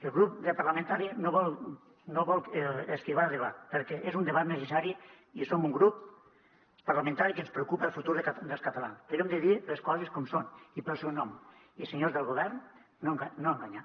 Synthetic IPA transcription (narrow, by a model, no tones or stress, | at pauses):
elˠɣɾup̚d̪əpaɾlament̪aɾinoβɔl | noβɔlˠeskiβ̞alˠðeβa̰t̪pəɾkɛʔezund̪eβat̪nəs̬esaɾi | isomuŋɡɾup̚ | paɾlament̪aɾikənspɾeukupəlˠfut̪uɾðd̪elˠskat̪ala̰nsp̪eɾemd̪eðileskɔzeskɔmsoniposewnɔm | iseɲozðəlˠɣoβ̞ɛɾnː | oŋɡaːoaŋɡaɲa